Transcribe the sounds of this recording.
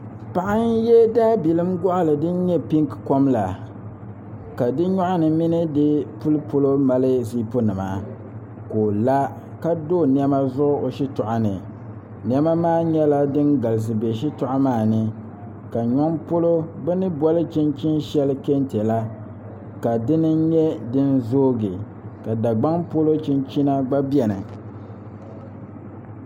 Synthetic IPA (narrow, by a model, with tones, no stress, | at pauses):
pa˨ʔa˦n˦jɛ˦daː˦bi˨lɨ˦mɡɔ˦ʔa˦˨lɨ˨dɨ˦n˦ɲɛ˦pi˦ŋkko˦mla˨ | ka˨dɨ˦ɲɔ˦ʔʊ˦nɨ˨mi˦nɨ˦dɨ˦pu˦lɨ˦po˦lo˦ma˦lɨ˦zi˦po˦nɨ˨ma̰˨ | ko˨la˦ | ka˦doː˦˨n˦ɛ˦ma˦zʊ˦ʔʊ˦o˨ʃi˦tʊ˨ʔa˦nɨ̰˨ | nɛ˦ma˦maː˦ɲɛ˦la˦dɨ˦nɡa˨lɪ˨s̬ɨ˨be˨ʃi˦tʊ˨ʔa˦maː˦˨nɨ˨ | ka˨ɲɔ˦ŋpo˦lo˦bɛ˦nɨ˦bɔ˦lɨ˦t͡ʃi˦nt͡ʃi˦nʃɛ˦lɨ˦ke˦ntɛ˨la˦ | ka˨dɨ˦nɨ˦ɲɛ˦dɨ˦n˦zoː˦ɡɨ˨ | ka˨da˨ɡ͡ba˦ŋpo˦lo˦t͡ʃi˦nt͡ʃi˦na˦ɡ͡ba˦bi˦ɛ˨nɨ̰˨